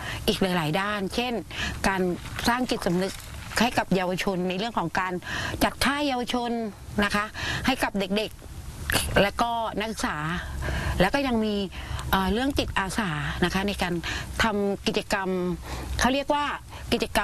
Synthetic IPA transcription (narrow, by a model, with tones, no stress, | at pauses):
ʔiː˨˩k̚laː˨˦jlaː˩˦jdaː˥˩nt͡ɕʰe˥˩nkaː˧nsaː˥˩ŋt͡ɕi˨˩t̪̚sa˩˦mnɯ˦˥k̚ | ha˥˩jka˨˩p̚jaː˧wa˧t͡ɕʰo˧nːa˧jɾɯ˥˩əŋkʰɔː˩˦ŋkaː˧nt͡ɕa˨˩t̪ʰːaː˥˩jːaː˧wa˧t͡ɕʰo˧nː | a˦˥kʰa˦˥ʔha˥˩jka˨˩p̚de˨˩k̚de˨˩k̚ | lɛː˦˥wkɔː˥˩na˦˥ksɯ̥˨˩k̚saː˩˦lɛː˦˥wkɔː˥˩ja˧ŋmiː˧ʔəː˨˩ɾɯ˥˩əŋt͡ɕi˨˩t̪̚ʔaː˧saː˩˦na˦˥kʰa˦˥na˧jkaː˧nt̪ʰa˧mki˨˩t̪̚t͡ɕa˧ka˧mkʰa˥˩wɾi˥˩ək̚waː˥˩ | ki˨˩t͡ɕa˧ka˧